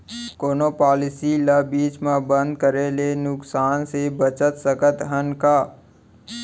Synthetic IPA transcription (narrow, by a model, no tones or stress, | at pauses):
koːnoːpaːlɪsilabiːt͡ʃmẽbə̃nd̪̚kəɾelenʊksaːnsebət͡ʃət̪səkət̪ɦənkaː